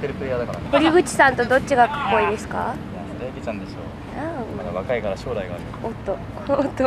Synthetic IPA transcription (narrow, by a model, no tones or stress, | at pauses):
eɾɯ̟pɯɾʲiad̪akaɾa̰t̪oɾʲiɡɯ̟t͡ɕi̥sãnt̪o̞d̪o̞t͡ɕːiɡakḁkːo̞id̪e̞sɨ̥ka̰ | jad̪eːkʲit͡ɕãnd̪eso̰ | amad̪aβakaikaɾaɕo̞ːɾaiɡaːɾɯ | ot̪ːoː | t̪ːo